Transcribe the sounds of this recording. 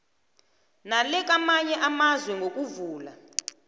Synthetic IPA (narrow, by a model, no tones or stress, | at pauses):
nalɛk̬amaɲɛʔamazwɛŋɡʱok̬ʼuvuːla